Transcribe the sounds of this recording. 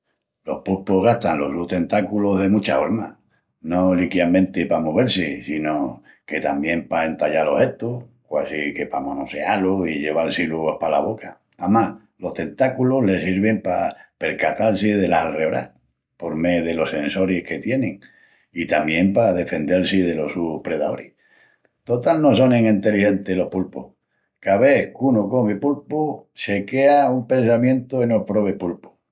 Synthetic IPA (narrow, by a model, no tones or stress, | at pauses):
lo̞̰hpuhpoɦɣaht̪anlo̞hɣluht̪e̞nt̪akuloɦðe̞mũt͡ʃafoɾma | no̞likjamẽ̞nt̪epamoβ̞e̞ɾsesino | ke̞t̪ambje̞mpae̞nt̪aʎalo̞he̞t̪okwasike̞pamõnose̞aloiʎe̞β̞alsiluohpala̰β̞o̞ka | amah | lo̞ht̪e̞nt̪akuloɦle̞siɾβ̞e̞mpape̞ɾkat̪alsiðe̞lasalreoɾa̰ | po̞ɾme̞ðelo̞se̞nso̞ɾihke̞t̪je̞nẽŋ | it̪amje̞mpaðe̞fe̞nd̪e̞lsiðe̞lo̞suhpɾe̞ðaoɾih | t̪ot̪alnos̬oneŋĩnt̪elihe̞nt̪elo̞hpulpṵh | kaβe̞kunokoβipulpuse̞keaumpẽ̞ns̬amjẽnt̪oenopɾo̞βepulpu̥